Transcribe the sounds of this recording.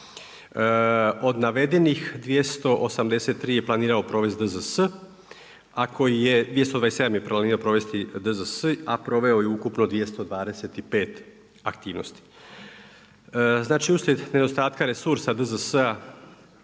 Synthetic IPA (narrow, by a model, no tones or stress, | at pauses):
o̞d̪naʋe̞d̪e̞nixd̪ʋje̞st̪o̞ʔosamd̪ese̞t̪ːɾiːje̞plˠaniːɾao̞pɾo̞ːʋe̞zd̪əzəsə | akʰo̞jije̞d̪ʋijest̪od̪ʋaesed̪amjepɾaniːɾaopɾo̞ʋe̞st̪id̪əzəsəapɾo̞ʋe̞o̞jeukupnod̪ʋije̞st̪o̞d̪ʋaːd̪e̞set̪ipe̞ːt̪ | akt̪iːʋno̞̰st̪i̥ | znaːt͡ʃiuslʲe̞d̪ne̞d̪o̞st̪aːt̪kaɾesuɾsad̪əzəsəa